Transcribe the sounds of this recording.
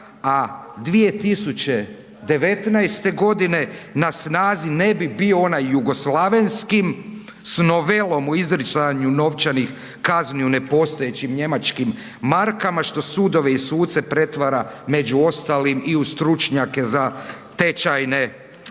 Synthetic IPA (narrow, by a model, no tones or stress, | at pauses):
ad̪ʋie̞t̪isut͡ɕe̞ | d̪e̞ʋe̞t̪najst̪e̞ɡo̞d̪ine̞nasnaːzine̞bibio̞onajːuɡo̞slˠaʋe̞nskim | sno̞ʋelo̞muizɾit͡ʃ̪aɲuno̞ʋt͡ɕanix | kazniune̞po̞ːst̪o̞je̞t͡ɕimɲe̞mat͡ʃkimː | aɾkamaʃt̪o̞sud̪o̞ʋe̞isuːt̪se̞pɾe̞t̪ʋaɾame̞d͡ʒuo̞st̪alimiust̪ɾut͡ʃɲake̞zat̪et͡ʃajne